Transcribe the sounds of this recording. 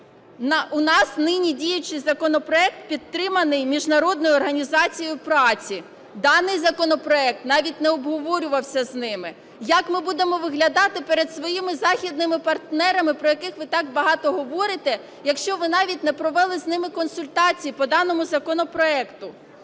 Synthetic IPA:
nʊnɑsnɪnʲidʲijʊt͡ʃɪjzɐkɔnɔpɾɔɛk̚t̪̚pʲid̪t̪ːɾɪmɐnɪjmʲiʒnɐɾɔd̪̚nɔjʊɔrɦɐnʲizɑt͡sʲijʊpɾɑt͡sʲi | d̪ɑnɪjzɐkɔnɔpɾɔɛk̚t̪nɑʋʲit̚ʲnɛɔbɦɔʋɔɾʲʊʋɐwsʲɐznɪmɪ | jɐkmɪbud̪emɔʋɪɦlʲɐd̪ɑt̪ɪpɛɾed̪sʋɔjimɪzɑxʲid̪nɪmɪpɐrt̪nɛɾɐmɪpɾɔjɐkɪxʋɪt̪ɑɡ̚bɐɦɑt̪ɔɦɔʋɔɾɪt̪ɛ | jɐkʃt͡ʃɔʋɪnɑʋʲit̚ʲnɛpɾɔʋɛlˠɪznɪmɪkɔnsʊlʲt̪ɑt͡sʲijipɔd̪ɑnɔmʊzɐkɔnɔpɾɔɛkt̪ʊ

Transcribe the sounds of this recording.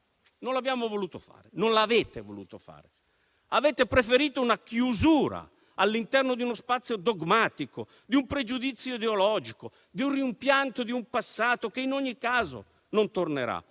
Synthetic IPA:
nonlabjaːmovoluːt̪ofa̰ːɾenonlavɛːt̪evolṵːt̪ofa̰ːɾe | avɛːt̪epɾefeɾiːt̪ounakjuzuːɾa̰ | alːint̪ɛrnod̪iunospat̪sːjod̪ɔɡmaːt̪iko | d̪iumpɾed͡ʒud̪it̪sːjoid̪eolɔːd͡ʒiko | d̪iunrimpjant̪od̪iumpasːaːt̪okeinoɲːikːaːzo̰ | nont̪orneɾa̰

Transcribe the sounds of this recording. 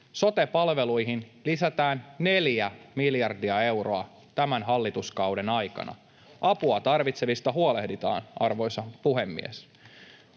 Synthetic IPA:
so̞t̪epɑlʋe̞lujɦinlisæt̪æːnːe̞ljæmiljɑrdiɑe̞wroɑ | t̪æmænɦɑlːit̪uskɑwde̞nɑjkɑ̰nɑ̰ | ɑpuɑt̪ɑrʋit̪se̞ʋist̪ɑɦuole̞hdit̪ɑ̰ːnʔɑrʋo̞jsɑpuɦe̞mːḭḛs

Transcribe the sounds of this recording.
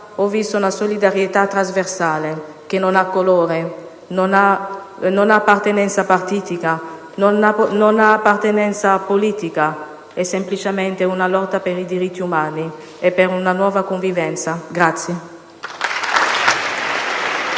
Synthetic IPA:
ɔvist̪ounasolid̪aɾjet̪at̪ːɾazversaːle | k̟enonakːoloːɾe | nna | nonaːpːart̪enɛnt̪sapart̪iːt̪ika | nnanonaːpːart̪enɛnt̪saːpːoliːt̪ika | ɛsːemplit͡ʃemɛnt̪eunalɔt̪ːapeɾid̪iɾit̪ːiumaːni | epeɾunanwɔːvakoɱvivɛnt̪saɡɾat̪sje

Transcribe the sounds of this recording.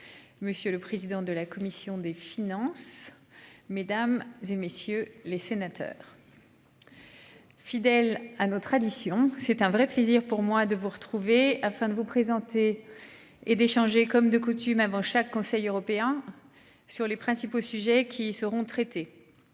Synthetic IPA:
məsjøləpχezid̪ɑ̃d̪əlakɔmisjɔ̃d̪efinɑ̃sː | ed̪amzemesjølesenat̪ʰœ̰ːʁ | fid̪ɛlanɔt̪χad̪isjɔ̃sɛt̪ɛ̃vʁɛpleziʁpuʁmwad̪əvuʁət̪χuveafɛ̃d̪əvupχezɑ̃t̪e | ed̪eʃɑ̃ʒekɔmd̪əkut̪ymavɑ̃ʃakːɔ̃sɛjøʁɔpeɛ̃ | syʁlepχɛ̃siposyʒɛkʲʰisəʁɔ̃t̪χɛt̪e

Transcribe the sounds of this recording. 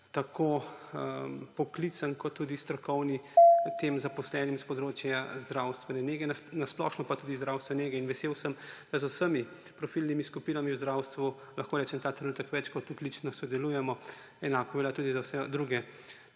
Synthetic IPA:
t̪akʰo | pɔklit̪sankɔt̪ːuːd̪ist̪ɾɔkɔwnit̪eːmzapɔslɛːnimspɔd̪ɾoːt͡ʃjazd̪ɾawst̪ʋɛnɛneːɡɛnasplɔʃnɔpat̪uːd̪izd̪ɾawst̪ʋɛneɡɛinʋɛseːwsəmd̪̥azosəmi | pɾɔfilnimiskupiːnamiwzd̪ɾawst̪ʋu | lɐxkoːɾɛːt͡ʃɛmt̪aːt̪ɾɛnuːt̪əkʋɛt͡ʃkɔt̪uklit͡ʃnɔsɔd̪ɛluːjɛmɔ | ɛnaːkɔbɛljat̪uːd̪izawsɛd̪ɾuːɡɛ

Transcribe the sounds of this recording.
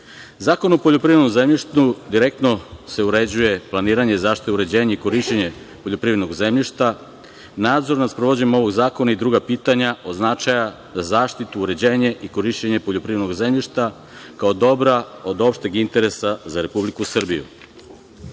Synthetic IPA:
zaːko̞nopoʎopɾiːvɾed̪nomzemʎiʃt̪ud̪iɾek̚t̪no̞se̞uɾe̞d͡ʑuje̞plˠaniːɾaɲezaːʃt̪i̥t̪euɾe̞d͡ʑe̞ːɲeiko̞ɾiʃt͡ɕeɲe | po̞ʎo̞pɾiʋɾe̞d̪noɡze̞mʎiʃt̪a | naːd̪zo̞ɾnaspɾoʋo̞d͡ʑeɲemo̞ʋo̞ɡzaːkonaid̪ɾuːɡapiːt̪aɲaʔoznat͡ʃaja | zazaːʃt̪it̪uːɾe̞d͡ʑeːɲe̞ʔiko̞ɾiʃt͡ɕeɲe̞poʎo̞pɾiːed̪noɡze̞mʎiʃt̪a | kaod̪o̞bɾao̞d̪o̞pʃt̪eɡint̪e̞ɾesazaɾe̞publikusr̩bijṵ

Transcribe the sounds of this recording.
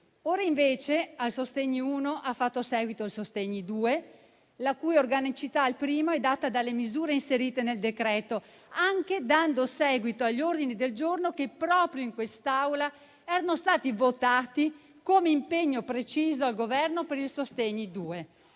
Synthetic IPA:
oːɾaiɱveːt͡ʃealsost̪eɲːiuːnoʔafːat̪ːosɛːɡwit̪oilsost̪ɛɲːid̪uːe | lakujorɡanit͡ʃit̪aːlpɾiːmoɛd̪at̪ːad̪alːemizuːɾeinseɾiːt̪eneld̪ekɾɛːt̪o | aŋk̟ed̪and̪osɛːɡwit̪oaʎːord̪inid̪eld͡ʒornok̟epːɾɔːpɾjoiŋkwest̪awla | ɛːɾanost̪aːt̪ivot̪aːt̪i | komeimpeɲːopɾet͡ʃiːzoalɡovɛrnopeɾilsost̪eɲid̪uːe

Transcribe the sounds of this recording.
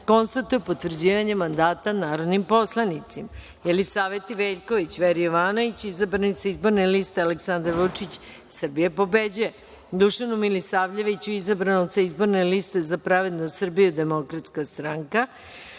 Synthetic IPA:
ko̞nst̪at̪ujupot̪ʋr̩d͡ʑiːʋaɲemand̪aːt̪anaːɾo̞d̪nimpo̞slˠanit̪sima | jelisaːʋe̞t̪iʋeʎko̞ʋit͡ɕʋeɾijoʋaːno̞ʋit͡ɕizabɾanit̪saizbo̞ɾneliːst̪ealeksand̪aɾʋut͡ʂit͡ɕ | sr̩bijepo̞bed͡ʑuje | d̪uʃanumilisaːʋʎeʋit͡ɕuizabɾanut̪saizbo̞ɾne̞liːst̪e̞zapɾaʋe̞d̪nosr̩bijud̪e̞mo̞kɾat̪skast̪ɾaŋka

